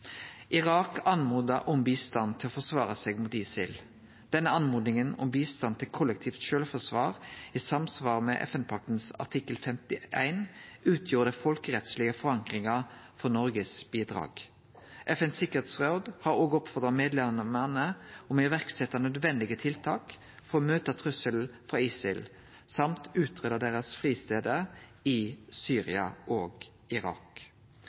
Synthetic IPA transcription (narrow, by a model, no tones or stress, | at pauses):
ʔɪʁɑːkɑnmuːd̪əʔʊmbiːst̪ɑnt̪ʰɪlɔfɔsʋɑːʁəseːɡmuːt̪iːsɪ̰l | d̪̥ɛnːəɑnmuːd̪nɪŋənɔ̰mbiːst̪ɑnt̪ʰɪlkʰʊlːək̚t̪ʰiːft̪ʃøːlfɔsʋɑːʁiːsɑmsʋɑːʁəmɛ̰ʔɛ̰fɛnpʰɑk̚t̪n̩sɑ̰ʁt̪ʰɪkːəlfɛmt̪ɪʔæɪnʉːt̪ʰjuːɾəd̪æfɔlkəʁɛt̪slɪəfɔʁɑŋkʁɪŋɑfɔʁnɔʁɡəsbiːd̪ʁɑ̰ːɡ̥ | ʔɛfɛnsɪkəʁet̪sʁod̪hɑːʁoːɡɔpfɔʁd̪ʁɑmeːd̪lɛmmənəɔmɪʋæʁksɛt̪ːɑnœd̪ʋɛnd̪ɪɡət̪ʰɪlt̪ʰɑːk | fɔʁɔmøːt̪ət̪ʰʁʉsəl̩fʁɑːiːsɪl | sɑmt̪ʉːt̪ʰʁøːd̪əd̪eːʁəsfʁiːst̪eːd̪əɪsyːʁɪɑ̰ʔoːɡ | ɪʁɑ̰ːk